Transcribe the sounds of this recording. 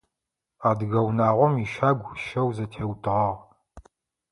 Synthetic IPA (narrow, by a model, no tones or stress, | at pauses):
aːdɣɐwnaːʁʷɔmiʃaːɡʷʃɐwzɐtʰeːwtʰʼɨʁɐʁ